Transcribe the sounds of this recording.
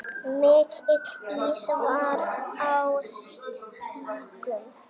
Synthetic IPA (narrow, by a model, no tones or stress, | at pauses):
mɪːkʰɪkiːsvaɾaws | iːkʏm